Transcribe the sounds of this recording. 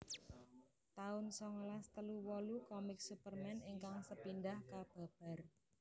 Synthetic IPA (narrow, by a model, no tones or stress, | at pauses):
t̪aʊnsɔŋlast̪əluwɔlukɔmɪk̚supərmɛniŋkaŋsəpindahkab̥a̤b̥a̤r